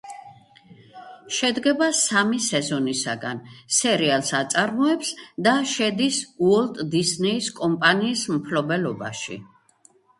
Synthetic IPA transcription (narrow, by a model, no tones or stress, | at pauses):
ʃɛd̪ɡɛbasamisɛzɔnisa̰ɡa̰nsɛɾialˠsat̪sʼaɾmɔɛpsd̪aʃɛd̪isuɔlt̪ʼd̪isnɛiskʼɔmpʼaniːsmpʰlɔbɛlɔba̰ʃḭ